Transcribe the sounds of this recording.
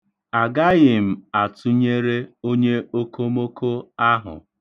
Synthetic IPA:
a˨ɡa˦ɣɪ˨m̩˨a˨tʊ˦ɲe˦ɾe˦o˦ɲe˦o˦ko˦mo˦kʰo˦a˦ɦʊ̰˨

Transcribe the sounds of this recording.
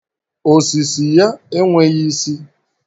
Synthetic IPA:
o˨si˨si˨ja˦e˦ŋʷe˦ɣi˦si˦

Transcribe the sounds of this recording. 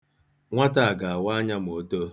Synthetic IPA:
ŋʷa˦ta˨a˨ɡa˨a˨wa˦ɲa˦m̩˨o˦to˦

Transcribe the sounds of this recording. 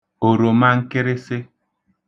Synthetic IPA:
o˨ɾo˨ma˦ŋ̩˦ke˦ɾe˦se˦

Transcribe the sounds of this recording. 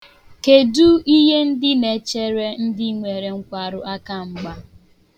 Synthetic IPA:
ke˨du˦i˦ɦe˦n̩˦dɪ˦ne˨t͡ʃe˦ɾe˦n̩˦dɪ˦ŋʷe˨ɾe˨ŋ̩˦kʷa˨ɾʊ˦ʔa˦ka˦ŋ͡m̩˦ɡ͡ba˦

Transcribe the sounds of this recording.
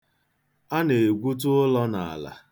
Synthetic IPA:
a˦ne˨ɡʷu˦t̬ʊ˦ʊ˦lɔ˦na˨a̰˨la̰˨

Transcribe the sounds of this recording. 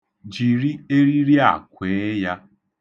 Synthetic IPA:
d͡ʒi˨ɾi˦e˦ɾi˦ɾi˦a̰˨kʷeː˨˦ja˦

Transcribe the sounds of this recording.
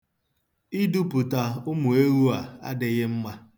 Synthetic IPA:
i˦du˦pʊ˨ta˨ʊ˦mʊ˨e˦ɾu˦a˨a̰˦dɪ˨ɣɪ˦m̩˦ma˦

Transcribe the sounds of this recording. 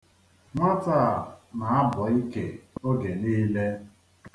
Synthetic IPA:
ŋʷa˦ta˦˨na˨a˦bɔ˨i˦ke˨o˦ɡe˨niː˦le˦

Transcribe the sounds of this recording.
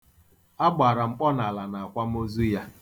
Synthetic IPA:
a˦ɡ͡ba˨ɾa˨ŋ͡m̩˦k͡pɔ˦na˨la˨na˨a˨kʷa˦m̩˦o˦zu˦ja˦

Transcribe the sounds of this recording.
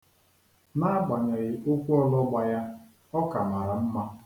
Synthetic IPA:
na˦ɡ͡ba˨ɲa˨ɣɪ˨ʔo˦kʷu˦ɔ˦lɔ˦ɡ͡ba˨ja˦ | ɔ˦ka˨ma˨ɾa˨m̩˦ma˦

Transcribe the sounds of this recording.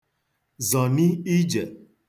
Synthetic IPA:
zɔ˨ni˦i˦d͡ʒe˨

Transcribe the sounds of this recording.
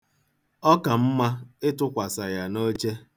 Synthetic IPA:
ɔ˦ka˨m̩˦ma˦ɪ˦tʊ˦kʷa˨sa˨ja˨no˦t͡ʃe˦

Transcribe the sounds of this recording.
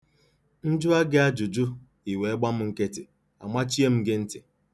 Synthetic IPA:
n̩˦d͡ʒʊ˦a˦ɡe˦a˦d͡ʒʊ˨d͡ʒʊ˦ | i˨we˨e˦ɡ͡ba˦m̩˦ŋ̩˦ke˦tɪ˨ | a̰˨ma˦t͡ʃi˦e˦m̩˦ɡe˦n̩˦tɪ˨

